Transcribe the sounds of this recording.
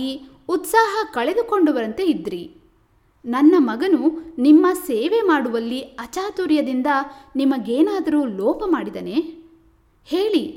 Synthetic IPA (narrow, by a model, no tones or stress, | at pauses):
i | ut̪saːɦɐkɐɭed̪uko̞ɳɖuʋɐɾɐnt̪e̞id̪ɾi | nɐnːɐmɐɡɐnunimːɐseːʋemaːɽuʋɐlːiɐt͡ʃaːt̪uːɾjɐd̪ind̪ɐnimɐɡeːnaːd̪ɐɾuːlɔːpɐmaːɽid̪ɐ̰ne̞ | he̞ːɭi